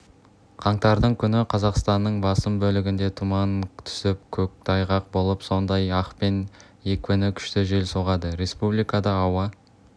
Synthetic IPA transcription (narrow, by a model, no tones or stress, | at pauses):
qʰɑɴt̪ɑɾd̪əɴkʲʰʏnɪqʰɑzɑqst̪ɑnːəɴbɑsəmbɵlɪɡʲɪnd̪e̞t̪ʰumɑnt̪ʰʏ̥sɪp̚kʲʰɵk̚t̪ʰɑjʁɑq̚bo̞lˠəpso̞nd̪ɑjɑqpe̞n | e̞kʲwɵnɪkʲʰʏ̥ʃt̪ɪʒe̞lsoʁɑd̪əɾe̞spublijkɑd̪ɑːwɑ